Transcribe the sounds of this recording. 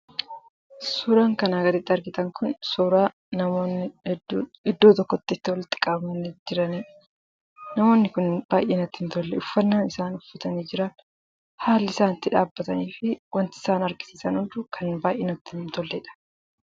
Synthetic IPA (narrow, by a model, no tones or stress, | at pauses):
sʊːɾaːŋkɐnaːɡɐd̪ɪt̪ːɐɾɡɪt̪ɐŋkʊnsuːɾaː | nɐmoːnːɪ | ɪd̪ːoːt̪ɔkːɔt̪ːɪːt̪ːɪwɔlɪt̪ːɪ̥kʼabmɐned͡ʒɪɾɐniːᶑ | nɐmo̞ːnːɪkʊnbaːjʔeːnɐt̪ːɪhɪnt̪ɔlːɛʊfːɐnːaːnɪsaːnʊfːɐt̪ɐniːd͡ʒɪɾɐn | haːlːɪsaːnɪt̪ːɪᶑaːbːɐt̪ɐniːfɪwɐnt̪ɪɪ̥saːnɐɾɡɪ̥siːsɐnhʊnd̪ʊkʰɐnbaːjʔeːnɐt̪ːɪnt̪ɔlːɛᶑɐ̥